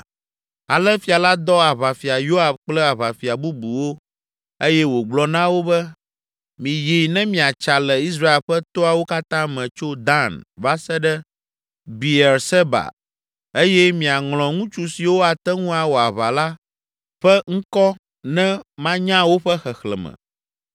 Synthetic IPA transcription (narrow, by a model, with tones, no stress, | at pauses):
a˨lɛ˦fi˨a˨la˦d̪ɔ˦a˨βa˨fi˨a˨jo˦a˨bk͡plɛ˦a˨βa˨fi˨a˨bu˦bu˨wo˦ | e˦jɛ˦wo˨ɡ͡blɔ˨nã˦wo˦bɛ˦ | mĩ˨ji˨nɛ̃˦mĩ˨a˨t͡ʃa˨lɛ˨i˦s̬ɾa˦e˨lɸɛ˦t̪o˦a˨wo˦ka˦t̪ã˦mɛ̃˨t͡ʃo˦d̪ã˦nva˦sɛ˦ɖɛ˦ | bi˨ɛ˨ɾsɛ˦ba̰˨ | e˦jɛ˦mĩ˨a˨ŋl̃ɔ̃˨ŋũ˦t͡ʃu˦si˨wo˦a˨t̪ɛ˦ŋũ˦a˨wo˨a˨βa˨la˦ | ɸɛ˦ŋ̩˦kɔ˦ | nɛ̃˦mã˦ɲã˦wo˦ɸɛ˦xɛ˨xlɛ̰˨mɛ̰̃˨